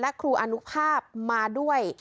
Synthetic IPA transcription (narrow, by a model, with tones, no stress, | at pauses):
lɛ˦˥kʰɾuː˧ʔa˧nu˦˥pʰaː˥˩p̚maː˧du˥˩əj